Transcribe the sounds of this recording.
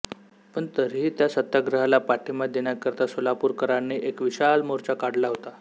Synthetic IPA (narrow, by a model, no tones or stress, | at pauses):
pəɳt̪əɾɦiːt̪jasət̪ːaɡɾəɦalapaʈʰimad̪eɳjakəɾt̪asolapuːɾkəɾanːiːʔekʋiɕalmoɾt͡ɕakaɽlaɦot̪a